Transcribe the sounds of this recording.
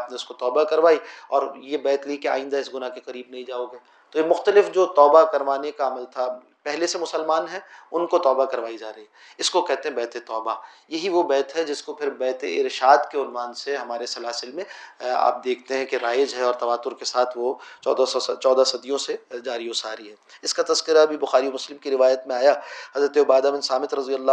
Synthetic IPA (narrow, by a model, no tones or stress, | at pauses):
pneʊskot̪ɔːbakɐɾʋaːiɔːɾjebɛːt̪likea̰ːɪ̃nd̪aɪsɡʊnakekɐɾiːbnɐɦĩd͡ʒaːoːɡeː | t̪oemʊxt̪əlɪfd͡ʒoːt̪ɔːbakɐɾʋaːnekaɐməlt̪ʰa | pɛɦlesemʊsəlmaːnɦɛʊnkot̪ɔːbakɐɾʋaːid͡ʒaːɾɐɦiɦɛ | ɪskokɛɦt̪eɦɛ̃bɛːt̪et̪ɔːbajɐɦiʋobɛːt̪ɦɛd͡ʒɪskopʰɪɾbɛːt̪eɪɾʃaːd̪keʊnʋaːnseɦɐmaːɾesɐlaːsɪlmẽa̰ːp̚d̪eːkʰt̪eɦɛ̃keɾaːjɪd͡ʒɦɛɔːɾt̪ɐʋaːt̪ːʊɾkesaːt̪ʰʋo̰ːd̪ast͡ʃɔːd̪asɐd̪ijõsed͡ʒaːɾiosaːɾiɦɛːɪskat̪ɐskɪɾabʱibʊxaːɾiomʊslɪmkiɾɪʋaːjət̪mẽaːjahɐzɾət̪eʊbaːd̪abɪnsaːmɪt̪ɾɐzijəlːa